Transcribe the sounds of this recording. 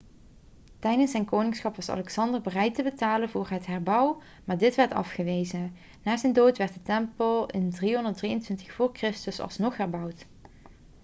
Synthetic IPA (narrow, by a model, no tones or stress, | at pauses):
tɛjdənsɛjnkoːwnɪŋsχɑpʋɑsɑ̰lɛksɑndəɹbərɛjtəbətaːlənvʊːɹɦətɦɛɹbʌw | maːɹdɪtʋɛɹtɑ̰fχəʋejzə | naːzɛjndoːtʋɛɹtətɛmpəlˠɪndriɦɔndəɹ̚drijəntʋɪntəχfʊːɹkrɪstəsɑ̰lˠsnɔχɦɛɹbʌwt